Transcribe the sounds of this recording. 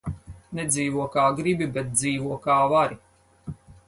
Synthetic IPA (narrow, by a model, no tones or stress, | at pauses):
nɛd̪ziːvuɔkaːɡɾibibet̪̚d̪ziːvuɔkaːvaɾi